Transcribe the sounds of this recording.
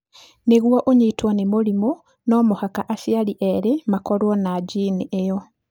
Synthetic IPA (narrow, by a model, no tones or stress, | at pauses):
neɣwaʔoɲiːtwanemoɾimo | nɔmohakaʔasjaliʔeɾemakɔɾwɔnad͡ʒiːniʔejɔ